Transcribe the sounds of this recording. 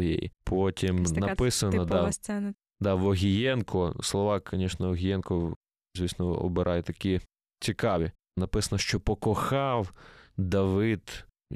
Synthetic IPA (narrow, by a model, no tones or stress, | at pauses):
jḛj̰pʰotʲimnɐpɪsɐnɐd̪ɑɛ | d̪ɑʋɔɦʲijɛnkʰʊslˠɔʋɑkʰɔnʲɛʃnɔɔɦʲɪjɛnkɔ | zʲʋʲisnɔɔ̰bɪɾʔɑjɛt̪ɐkʲi | t͡sʲikɑʋʲi | nɐpɪsɐnɐʃt͡ʃɔpɔkɔxɑwd̪ɐʋɪd̪